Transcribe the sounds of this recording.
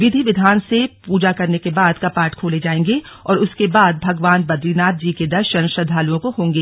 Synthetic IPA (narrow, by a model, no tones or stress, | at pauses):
ʋɪd̪ʱiʋɪd̪ʱaːnsepuːd͡ʒakɐɾnekebaːd̪kapaːɾʈkʰoːled͡ʒaːẽːŋɡeɔːɾʊskebaːd̪̚bʱɐɡʋaːnbɐd̪linaːt̪̚d͡ʒiːked̪ɐʃɐñʃɐd̪ʱaːlujõkoɦõːŋɡeː